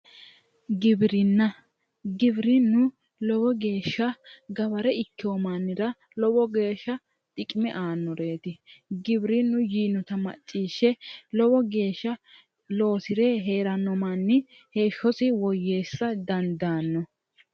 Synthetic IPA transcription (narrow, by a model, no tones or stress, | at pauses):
ɡɪbɾɪnːɐ | ɡɪbɾɪnːʊ | lɔbɔɡe̞ːʃːɐɡɐβɐɾɛɪkːɪomaːnːɪɾɐ | lɔbɔɡe̞ːʃːɐ | t̪ʼɪkʼɪmɛʔaːnːɔɾe̞ːt̪ɪɡɪbɾɪnːʊjiːnːʊt̪ɐmɐ̰t͡ʃʼːiːʃːɛlɔbɔɡe̞ːʃːɐ | lo̞ːsɪɾeːɦe̞ːɾɐnːɔmanːɪ | he̞ːʃːɔsɪwɔjːe̞ːsːɐd̪ɐnd̪aːnːɔ